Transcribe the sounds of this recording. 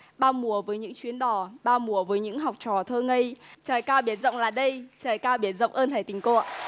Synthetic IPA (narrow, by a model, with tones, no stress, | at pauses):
ɓaː˧wmu˨˩əvəː˨˦jɲɨ̰˧˥ŋt͡ɕwi˨˦ənɗɔ˨˧˩ɓaː˧wmu˨˩əvəː˨˦jɲɨ̰˧˥ŋɦa˨˩wk͡p̚t͡ɕɔ˨˩t̪ʰəː˧ŋə˧jt͡ɕəː˨˩jkaː˧wɓi˨˩ət̚zə̰˧˨wŋ͡mlaː˨˩ɗə˧jt͡ɕəː˨˩jkaː˧wɓi˨˩ət̚zə̰˧˨wŋ͡mʔəː˧nt̪ʰaː˧˩t̪ï˨˩ŋ̟ko̰˧˨əʔ